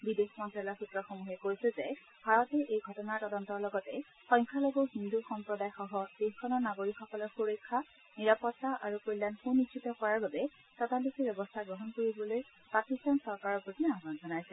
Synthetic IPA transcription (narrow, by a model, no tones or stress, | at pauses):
bidexmɔntɹalɔɹxutɹɔxomuɦɛkojsɛzɛ | bʱaɹɔtɛʔejɡʱɔtɔnaɹtɔdɔntɔɹlɔɡɔtɛ | xɔjŋkʰaloɡoɦinduxɔmpɹɔdajxɔɦɔdexkʰɔnɔɹnaɡoɹikxɔkɔlɔxuɹɔjkʰːa | niɹapɔtːaʔaɹupojlankunːitʃʰitɔkɔɹaɹbabɛ | tɔtalikibjɛbɔstʰaɡɹɔɦɔnkoɹibɔloj | pakistansɔɹkaɹɔpotʰinabanzɔnajsɛ